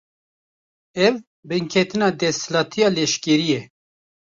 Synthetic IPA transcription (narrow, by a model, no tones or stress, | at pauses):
ɛv | bɨŋkʰɛt̪ɨnɑːd̪ɛslɑːt̪ʰijɑːlɛʃkɛɾijɛ